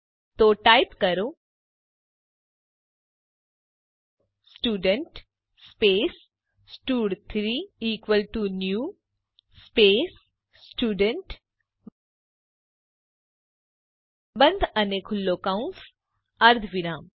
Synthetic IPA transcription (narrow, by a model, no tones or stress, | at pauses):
t̪oːʈaːɪpkɐɾo | sʈuːɖəɳʈ | speːs | sʈuːɖt̪ʰɾiːiːkʋəlʈunjuː | speːsː | ʈuːɖəɳʈ | bɐ̃nd̪ʱɐnekʰʊlːokãʊ̃ns | ɐɾd̪ʱʰʋɪɾaːm